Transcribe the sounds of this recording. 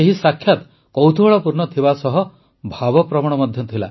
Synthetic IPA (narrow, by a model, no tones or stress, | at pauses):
eɦisakʰjat̪ | kɔwt̪ʰuɦɔɭɔpuɾnɔt̪ʰibasɔɦɔ | bʱabɔpɾɔmɔɽ̃ɔmɔd̪ʱjɔt̪ʰila̰